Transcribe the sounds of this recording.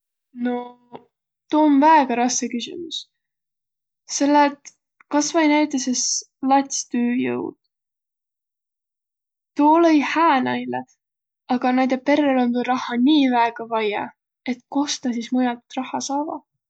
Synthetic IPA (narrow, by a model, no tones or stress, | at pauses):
no̞ | t̪oːnvæeɡ̥ɑɾɑskekysʲḭmus | se̞lːet̪ | kɑsvɑjnæjt̪ːˑeses | lɑt̪ʲst̪øːjɤ̰wd̪̥ | t̪uolejhæːnɑjle | ɑɡ̥ɑnæjd̪epe̞ɾelont̪urɑhːɑnʲiːvæeɡ̥ɑvɑjɑ̰ | e̞t̪ˑko̞st̪ɑsismujɑt̪rɑhɑsɑːvɑ̰